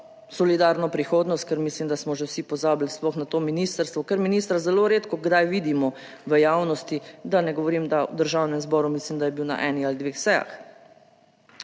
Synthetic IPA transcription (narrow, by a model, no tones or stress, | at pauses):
sɔlid̪aɾnɔpɾixoːd̪nɔst̪̚kəɾmislimd̪asmɔʒɛwsipɔzaːbilsplɔxnat̪oːminiːst̪əɾst̪ʋɔkəɾminiːst̪ɾazɛloːɾeːt̪kɔɡd̪ajʋiːd̪imɔ | ʋəjaːwnɔst̪id̪anɛɡɔʋɔɾiːmd̪awd̪əɾʒawnɛmzbɔːɾumislimd̪ajɛbiwna̰ʔɛːnixalid̪ʋexsɛja̰x